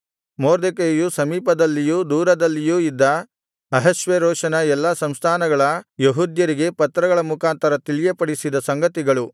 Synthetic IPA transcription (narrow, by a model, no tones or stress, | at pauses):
moːɾd̪ekejusɐmiːpɐd̪ɐlːijuːd̪uːɾɐd̪ɐlːijuːid̪ːɐ | ɐɦɐʃʋeɾɔːʂɐnɐɛlːɐsɐmst̪ʰaːnɐɡɐɭɐjeɦuːd̪jɐɾiɡe̞pɐt̪ːɾɐɡɐɭɐmukʰaːnt̪ɐɾɐt̪ilijepɐɽisid̪ɐsɐŋɡɐt̪iɡɐɭu